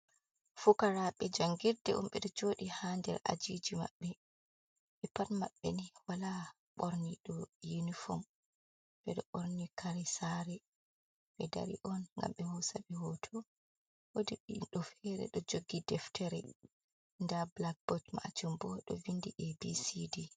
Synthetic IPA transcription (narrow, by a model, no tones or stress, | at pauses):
fukaɾaɓɛd͡ʒaŋɡiɾdɛ̰ʔumɓɛɗɔd͡ʒoːɗihandɛ̰ɾa̰d͡ʒid͡ʒima̰ɓːɛ | ɓɛpaɾma̰ɓːɛ̰niwala | ɓoɾniɗɔjunifɔm | bɛɗɔɓoɾnikʰaɾɛsaɾɛ | ɓɛda̰ɾḭʔɔnŋɡa̰mɓɛhɔsaɓɛhɔtʰɔ | wodiɗɔfɛɾɛ̰ɗɔd͡ʒoɡːidɛftʰɛɾɛ | ndablak̚bɔtma̰d͡ʒumbɔɗɔ̰vindiʔɛbisidi